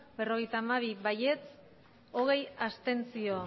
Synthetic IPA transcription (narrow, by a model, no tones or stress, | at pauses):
be̞ro̞ɣ̞e̞jt̪aːmaβ̞iβaje̞t͡s | o̞ɣ̞e̞jast̪e̞nt͡sio̞